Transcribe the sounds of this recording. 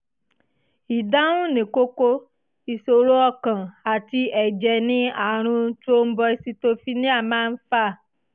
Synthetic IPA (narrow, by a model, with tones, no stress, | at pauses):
i˨dã˦wũ˦nẽ˨ko˦ko˦ | i˨so˨ɾo˦ɔ˦kã˨a˨t̪i˧ɛ˨d͡ʒɛ˨nĩ˦a˨ɾ̃ũ˧˦t͡ʃo˦m̩˦bɔ˧i˨si˧t̪o˦fi˦nĩ˦a˦˨mã˦n̩˦fa˦˨